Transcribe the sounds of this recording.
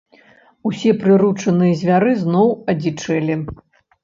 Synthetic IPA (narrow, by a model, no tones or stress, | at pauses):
usʲɛpɾɨɾut͡ʂɐnɨjɐzʲvʲaɾɨznɔwɐd͡zʲit͡ʂɛlʲi